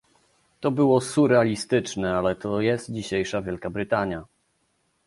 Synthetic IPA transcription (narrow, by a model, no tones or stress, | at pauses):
t̪ɔbɘwɔsuɾɛalʲist̪ɘt͡ʂnɛalɛt̪ɔjɛst̪̚d͡ʑiɕejʂavʲjɛlkabɾɘt̪aɲja